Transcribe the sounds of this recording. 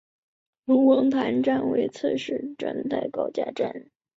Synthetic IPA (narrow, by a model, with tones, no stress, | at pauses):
lu˧˥wɤ˧˥ŋt̪ʰa˧˥nʈ͡ʂa˥˩nwḛ˧˥ɪt͡sʰɤ˥˧ʂɻ̩˥˩ʈ͡ʂə̰˥ŋt̪a˥˩ɪkɑ˥˩ʊt͡ɕja̰˥˧ʈ͡ʂa̰˥˩n